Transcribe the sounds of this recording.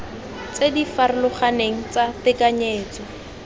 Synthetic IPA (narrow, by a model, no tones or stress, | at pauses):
t͡sedifaɾɪlʊχaneŋ̩t͡satɪkaɲeːt͡sɔ